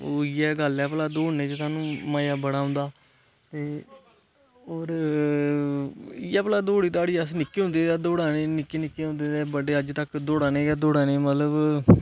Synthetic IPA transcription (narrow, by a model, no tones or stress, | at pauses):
oːɪːɛːɡəlɛːplaːd̪oːɦnːeːt͡ʃət̪aːnũːmaːjaːbəɽaːɦʊ̃nd̪aː | t̪eː | oːɾ | iːɛːpəlaːd̪oːɽiːt̪aːɽiːəsnɪkːeːɦʊ̃nd̪eːd̪aːd̪oːɽaːneːnɪkːeːnɪkːeːɦʊ̃nd̪eːd̪eːbəɖeːəd͡ʒt̪əkd̪oːɽaːneːɛːd̪oːɽaːneːmət̪ləb